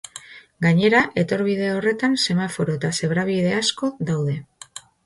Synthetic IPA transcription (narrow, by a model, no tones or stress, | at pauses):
ɡaɲe̞ɾaʔe̞t̪o̞ɾβið̞e̞o̞re̞t̪anse̞mafo̞ɾo̞et̪ase̞βɾaβ̞iðe̞asko̞ðawð̞e̞